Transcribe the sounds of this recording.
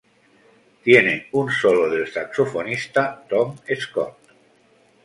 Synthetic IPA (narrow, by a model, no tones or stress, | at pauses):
t̪jeneunsoloðelsaksofonist̪at̪omeskɔ̰t̪